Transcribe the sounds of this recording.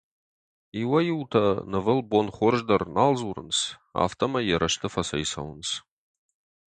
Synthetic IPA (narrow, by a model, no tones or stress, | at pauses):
iwɐjɪwtʰɐnɨvɨlbonχʷɔrʒdɐrnaːlzuɾɨ̰nsa̰ːftʰɐmɐjɛɾɐʃtʰɨfɐsɐjsɐ̰wns